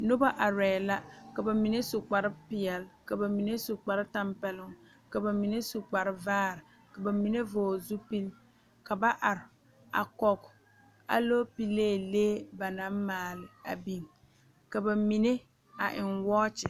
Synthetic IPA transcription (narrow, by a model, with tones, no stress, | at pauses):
nʊ˦ba˦ʔa˨ɾɛː˨la˦ka˨ba˨mi˨ne˦sʊ˨k͡pa˨ɾɪ˦pɪ˨ɛ˨lka˨ba˨mi˨ne˦sʊ˨k͡pa˨ɾɪ˦ta˦mpɛ˦lʊ˦ŋ | ka˨ba˨mi˨ne˦sʊ˨k͡pa˨ɾɪ˦vaː˦ɾɪ˨ | ka˨ba˨mi˨ne˦voː˨zu˦pi˦l | ka˨ba˦ʔa˨ɾɪ˨ | a̰˨kɔ˨k | a̰˨lo˦pi˦leː˦˨leː˦ba˨na˨˦m˦maː˨lɪ˨a̰˨bi˦˨m | ka˨ba˨mi˨ne˦ | a˨ʔɪ˨nwɔː˦t͡ʃɪ˨